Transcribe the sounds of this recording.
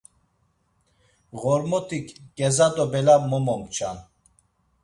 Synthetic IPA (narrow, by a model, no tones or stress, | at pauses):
ɣɔɾmɔt̪ʰikʰɡɛzad̪ɔbɛlamɔmɔmt͡ʃʰan